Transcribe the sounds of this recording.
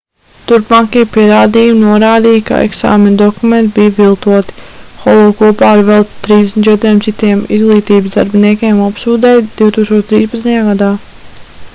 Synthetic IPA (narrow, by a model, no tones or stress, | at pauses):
t̪uɾpmaːkiːpiɛɾaːd̪iːjumnuɔɾaːd̪iːjka̰ɛ̰ksa̰ːmend̪ɔkument̪bijvilˠt̪uɔt̪i̥xɔlˠɔːkuɔpaːaɾvɛlˠt̪ɾiːzd̪esnt͡ʃɛt̪ɾiɛmtsit̪iɛmḭzɡlˠiːt̪iːbzd̪a̰ɾbiniɛkʲeːmapsuːd̪ɛjd̪̥iwt̪uːkst̪oɔt͡ʃt̪ɾiːspɐt̪sjaːɡad̪aː